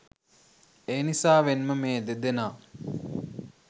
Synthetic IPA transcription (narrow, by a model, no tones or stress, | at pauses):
eːnisaːʋenməmeːd̪ed̪enaː